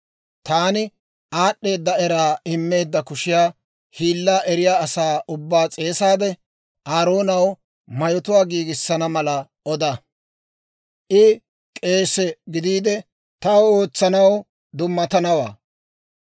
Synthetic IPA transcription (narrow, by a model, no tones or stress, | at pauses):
t̪aːnɪ | ʔaːɗːe̞ːd̪ːɐɛɾaːɪmːe̞ːd̪ːɐkʊʃɪjaː | hiːlːaːʔɛɾɪjaːsaːʔʊbːaːt͡sʼe̞ːsaːd̪ɛ | ʔaːɾo̞ːnɐw | mɐjɔt̪ʊwaːɡiːɡɪsːɐnɐmɐlɐ | ɔd̪ɐ | ʔɪ | kʼe̞ːsɛɡɪd̪iːd̪ɛ | t̪ɐwoːt͡sːɐnɐw | d̪ʊmːɐt̪ɐnɐwa̰ː